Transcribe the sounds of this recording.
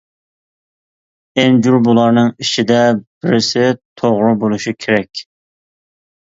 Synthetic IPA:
end͡ʒuɾbulˠɑɾnɨŋit͡ʃʰid̪ɛb̥ɪɾɪsɪt̪ʰoʁɾɨbolˠuʃikʲʰeɾɛkʲ

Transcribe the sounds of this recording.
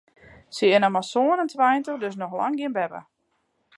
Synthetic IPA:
səɪnamasoənəntʋɛjntədøs̬nɔxla̰ŋɡɪənbɛpə̰

